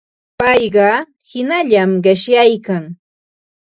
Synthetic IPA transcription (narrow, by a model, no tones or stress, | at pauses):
pɑjɢɑ | hɪnaʎamɢɪʃjajkaŋ